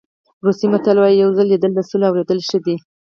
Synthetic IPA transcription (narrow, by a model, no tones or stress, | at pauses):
ɾusimat̪alwɑjijawzəlːid̪əld̪əsuloawɾed̪əlʃəd̪i